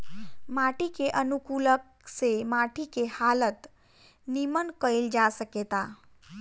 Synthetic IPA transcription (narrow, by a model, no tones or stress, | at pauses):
maʈikeʔənukulək̚ | semaʈikehalət̪ | nimənkəjld͡ʒasəket̪a